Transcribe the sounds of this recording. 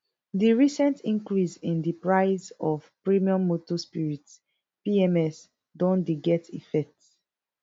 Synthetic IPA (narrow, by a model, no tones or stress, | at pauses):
diɹisɛ̃ntĩŋkɹisĩndipɹaɪzɔvpɹimiɔ̃mːotɔspiɹit | piɛmɛs | dɔ̃ndiɡɛtḭfɛk̚t